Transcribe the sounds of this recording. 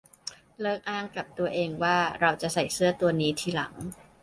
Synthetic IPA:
lɤː˥˩k̚ʔaː˥˩ŋka˨˩p̚t̪u˧ɐʔeː˧ŋwaː˥˩ɾa˧wt͡ɕa˨˩sa˨˩jsɯ˥˩ɐt̪u˧ɐniː˦˥t̪ʰiː˥˩la̰˩˦ŋ

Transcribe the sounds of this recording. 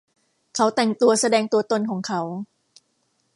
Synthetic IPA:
kʰa˦˥wt̪ɛ˨˩ŋt̪u˧ɐsa˧dɛː˧ŋt̪u˧ɐt̪o˧nkʰɔː˩˦ŋkʰa˦˥w

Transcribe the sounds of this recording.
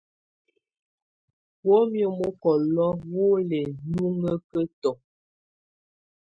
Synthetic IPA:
wo˦mjo˦mo˦kɔ˨lɔ˦wo˦le˨nu˦ŋə˦kə˦tɔ˨

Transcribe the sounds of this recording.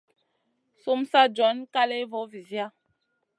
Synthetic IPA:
su˦msa˦d͡ʒɔ˨˦nka˦le˦vɔ˨˦vi˨zja˦

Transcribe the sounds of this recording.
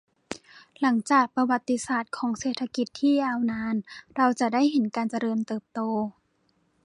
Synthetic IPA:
la˩˦ŋt͡ɕaː˨˩k̚pa˧wa˨˩t̪ːi˧saː˨˩t̪̚kʰɔː˩˦ŋseː˨˩t̪ʰa˧ki˨˩t̪ʰːiː˥˩jaː˧wnaː˧nɾa˧wt͡ɕa˨˩da˥˩jɦe˩˦nkaː˧nt͡ɕa˧ɾɤː˧mt̪ɤː˨˩p̚t̪oː˧

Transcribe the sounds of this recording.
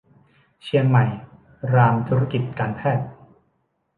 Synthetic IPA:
t͡ɕʰi˧əŋma˨˩j | ɾaː˧mt̪ʰuː˦ɾa˥ki˨˩t̪̚kaː˧npʰɛː˥˩t̪̚

